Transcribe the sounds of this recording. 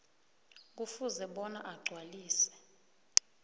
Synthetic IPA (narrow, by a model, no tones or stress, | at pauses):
k̬ufuzɛɓɔna̰ʔaɡ͡ǀʱwaliːsɛ̥